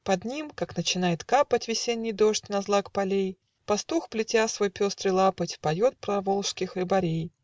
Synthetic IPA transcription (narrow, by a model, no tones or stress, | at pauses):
pɐd̪nʲimkaknət͡ɕɪnajɪt̪kapətʲvʲɪsʲenʲːɪjd̪o̞ʂtʲnɐzlˠakpɐlʲej | pɐst̪uxplʲɪtʲasvojpʲo̞st̪ɾɨlˠapətʲpɐjo̞t̪̚pɾɐvo̞lˠʂskʲɪxɾɨbɐɾʲej